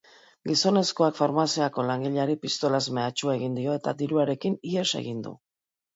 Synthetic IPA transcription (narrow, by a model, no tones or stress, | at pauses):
ɡiso̞ne̞sko̞akfaɾmasiako̞laŋɡiʎaɾipist̪o̞lazmeat͡ʃuae̞ɣ̞ind̪io̞e̞t̪a̰d̪iɾuaɾe̞kinie̞se̞̰ɣind̪ṵ